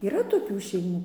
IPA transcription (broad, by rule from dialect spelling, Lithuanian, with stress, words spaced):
iːˈrɐ toːˈkʲuː ʃʲɛɪˈmuː